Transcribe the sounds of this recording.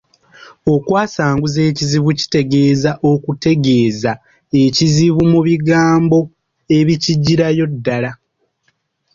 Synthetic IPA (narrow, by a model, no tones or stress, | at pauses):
o̞kwaːsaːŋɡuze̞ːciziβuci̥te̞ɡe̞ːzaʔo̞kute̞ɡe̞ːza | e̞ciziβumuβiɡaːmbo̞ | e̞βiciɟːiɾajo̞dːala